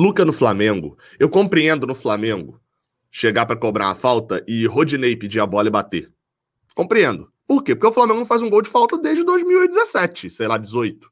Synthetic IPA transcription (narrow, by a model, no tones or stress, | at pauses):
lukɐnʊflamẽŋɡʊ̰ | ewkõpɾiẽnd̪ʊnʊflamẽŋɡʊ | ʃeɡapɾɐkobɾa̰ɾa̰fawt̪ɐʔɪɦod͡ʒinejpid͡ʒiabɔlɐɪbat̪e | kõpɾiẽnd̪ʊ | poɾkepoɾkeʊflamẽŋɡʊɡ̪̃fajzũɡowd͡ʒɪfawt̪ɐd̪eʒd͡ʒɪd̪ojzmiwid͡ʒɪzesɛt͡ʃɪsejlad͡ʒɪzojt̪ʊ̥